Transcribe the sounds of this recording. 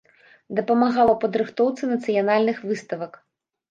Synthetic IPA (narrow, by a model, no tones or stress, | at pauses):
d̪ɐpɐmaɣalˠɐpɐd̪ɾɨxt̪ɔwt̪sɨnɐt̪sɨjanalʲnɨxvɨst̪ɐvɐk